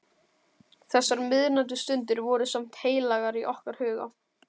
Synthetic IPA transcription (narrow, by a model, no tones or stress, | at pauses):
θɛsːaɾmɪðɾnant̪̬ʏst̪ʏnt̪ɪɾvɔɾʏsam̥t̪heːjlaɣaɾiʔɔhkaɾ̥hʏːɣa̰